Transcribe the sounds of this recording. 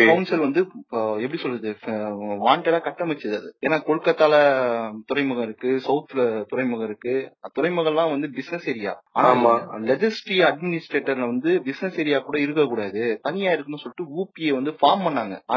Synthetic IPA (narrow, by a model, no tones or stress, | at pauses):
oːnsɐlʋɐnd̪ɯɛp̬ːɐɽisɔlːɐðɯʋaːɳʈɐlaːkɐʈːɐmɐt͡ʃːɐðɐðɯeːnːaːkɔɻɯkːɐt̪ːaːlɐt̪ʊɾɐɪmɯɣɐɪɾɯkːɯsɐʊt̪ːlɐt̪ʊɾɐɪmɯɣɐɪɾɯkːɯt̪ʊɾɐɪmɯɣɐɭlãːʋɐnd̪ɯbɪsnɛseɾɪja̰ːaːnaːmalɛd͡ʒɐsʈɾiɐɖmɪnɪsʈɾeːʈːɐɾlɐʋɐnd̪ɯbɪsnɛseːɾɪjaːkuːɽɐɪɾɯkːɐkːuːɽaːɐðɯt̪ɐnɪjaːɪɾɯkːɯnːɯsɔlːɪʈːɯuːpieːʋɐnd̪ɯfaːɾmpɐɳːaːŋɡɐ̰a